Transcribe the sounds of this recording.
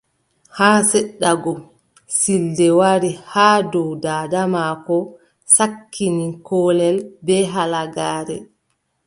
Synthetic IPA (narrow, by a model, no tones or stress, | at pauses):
haːsɛɗːaɡɔ | sildɛwaɾihaːdɔwdaːdamakɔ | sakʰːinikɔːlɛlbɛɦalaɡaːɾɛ